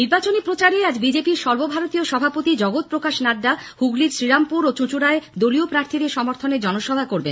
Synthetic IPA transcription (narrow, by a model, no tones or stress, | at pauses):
niɾbat͡ɕonipɾot͡ɕaɾead͡ʑbid͡ʑepiɾʃɔɾbobʱaɾot̪ioʃɔbʱapot̪id͡ʑɔɡot̪̚pɾokaʃnaɖːahuɡliɾsɾiɾampuɾot͡ɕut͡ɕuɽaed̪oliopɾaɾt̪ʰid̪eɾʃɔmoɾt̪ʰoned͡ʑɔnoʃɔbʱakoɾbḛn